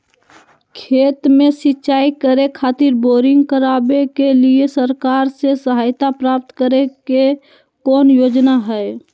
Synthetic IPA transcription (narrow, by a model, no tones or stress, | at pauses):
kʰeːt̪mẽsɪtːʃaːikəɾekʰaːt̪ɪɾboːɾɪ̃ŋɡkəɾabekeliesəɾkaːɾsesəɦaːjt̪apɾaːp̚t̪kəɾeke | kɔːnjoːd͡ʒnaɦɛe